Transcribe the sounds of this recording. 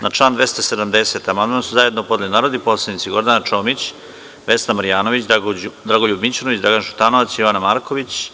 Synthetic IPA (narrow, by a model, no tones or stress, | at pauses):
naʈ͡ʂlˠaːnd̪ʋe̞st̪ased̪amd̪ese̞t̪amand̪mansuzaje̞d̪nopo̞d̪elinaːɾod̪iposlˠed̪it̪siɡo̞ɾd̪anat͡ʃo̞mit͡ɕ | ʋe̞st̪amaɾijaːnoʋit͡ɕd̪ɾaɡoʎubmit͡ɕonoʋit͡ɕd̪ɾaɡanʃut̪anoʋat̪sjoʋanamaːɾkʰo̞ʋit͡ɕ